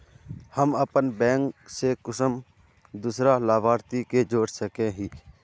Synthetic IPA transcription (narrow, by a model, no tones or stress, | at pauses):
həməpənbɛ̃ːŋksekʊsəm | d̪uːsɾalaːbʱaːɾt̪iked͡ʒoːɽsəkẽɦiː